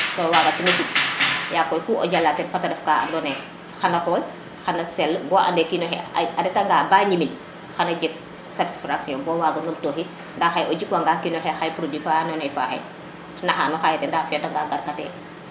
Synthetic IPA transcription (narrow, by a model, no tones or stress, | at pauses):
tɔwaːɡɐtinɐfijakɔjkuʔɔ̰ɟalːatɛnfatɐdɛfkaa̰ndɔnɛ | xanɐxɔːl | xanɐsɛlːbɔʔa̰ndɛkinɔxɛ̰adɛtaŋɡaːbaːɲimin | xanɐɟɛk̚ | sati̥sfɾaksijɔ̃bɔwaɡɐnumtɔːxi | ndaxajoɟikwaŋɡaːkinɔxɛxajpɾodifaanɔnɛjfa̰ːxɛ̰ | naxanɔxajtɛndafɛtaŋɡaɡaɾkatɛ̰ː